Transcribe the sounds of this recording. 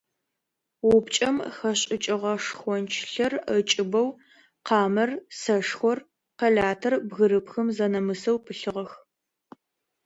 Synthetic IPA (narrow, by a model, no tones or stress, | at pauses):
wʊpt͡ʃʼɐmxɐɕʼɪt͡ʃʼɪʁɐʂxʷɔnt͡ʃʰɬɐrət͡ʃʼɪbɐw | qɑːmɐrsɐʂxʷɔr | qɐɮaːtʰɐrbɣɨɾɨpxɨmzɐnɐmɨsɐwpʰɨɬɨʁɐx